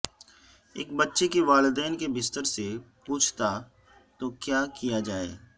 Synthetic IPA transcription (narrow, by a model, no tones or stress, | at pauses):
ḛːk̚bɐtːʃekeʋaːld̪ɛːnkebɪst̪əɾsepuːt͡ʃʰt̪a | t̪okjaːkijad͡ʒaːḛː